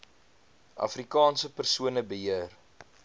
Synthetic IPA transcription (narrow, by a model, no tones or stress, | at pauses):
ɐ̰frikɑːnsəpərsuənəbəɦiər